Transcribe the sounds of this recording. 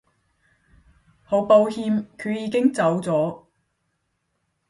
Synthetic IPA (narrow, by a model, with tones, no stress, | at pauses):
ho˨˥wpo˧whiː˧mkʰy˨˧ɥjiː˨˧kɪ˥ŋt͡sɐ˨˥wt͡sɔː˨˥